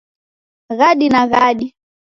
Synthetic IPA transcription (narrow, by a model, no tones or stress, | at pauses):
ɣaɗinaɣaɗi